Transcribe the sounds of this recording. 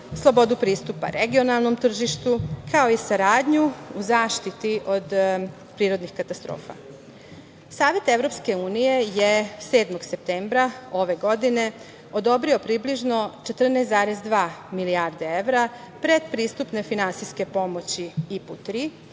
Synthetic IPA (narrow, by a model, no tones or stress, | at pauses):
slˠo̞bo̞d̪upɾiːst̪upa̰ɾʔeɡio̞nalˠno̞mt̪r̩ʒiʃt̪ukʰaoisaɾaːd̪ɲuuzaːʃt̪it̪iʔo̞d̪ | pɾiːɾo̞d̪nixkat̪ast̪ɾo̰ːfa̰ | saːʋe̞t̪e̞vɾo̞pske̞uːnije̞jese̞ːd̪moɡse̞p̚t̪eːmbɾao̞ʋe̞ɡo̞d̪ine̞ | o̞d̪o̞bɾio̞pɾibliʒno̞t͡ʃet̪r̩nesd̪aːɾezd̪ʋaːmiliaːɾd̪ee̞ʋɾa | pɾe̞d̪pɾiːst̪upne̞finansijske̞po̞mo̞t͡ɕiiput̪ɾi